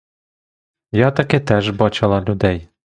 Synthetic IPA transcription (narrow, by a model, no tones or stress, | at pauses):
jɑt̪ɐkɪt̪ɛʒbɑt͡ʃɪlˠɑlʲud̪ɛj